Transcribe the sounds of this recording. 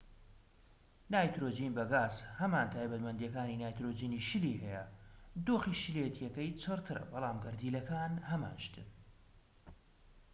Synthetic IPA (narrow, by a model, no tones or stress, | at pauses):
naːjt̪ɾoːd͡ʒinbɐɡaːzhɐmaːnt̪ʰaːjbɐt̪mɐnd̪jɛkaːninaːjt̪ɾoːd͡ʒiːniʃɨliɦɛjɛ̰d̪oːxiʃɨlet̪ʰjɛkɐjt͡ʃʰɨrt̪ʰɨɾɐ̰bɑlˠaːmɡɐɾd̪iːlɐkaːnhɐma̰ːnʃt̪ɨ̰n